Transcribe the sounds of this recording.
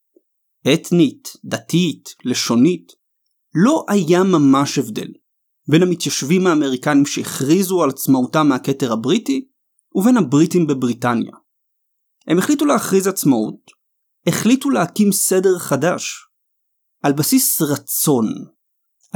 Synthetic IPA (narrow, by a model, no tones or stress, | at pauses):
ʔetnitdatitle̞ʃo̞nit | lo̞ʔajamamaʃevdḛl | be̞namit̪jaʃvimhaːme̞ʁikanimʃeeχʁizualat͡smautamːehake̞teʁhabʁiti | uve̞nhabʁitimbebʁitanja̰ | he̞meχlituleaχʁizat͡smaṵt̚ | eχlituleakimse̞de̞ʁχadaʃ | ʔalbasisʁat͡so̞n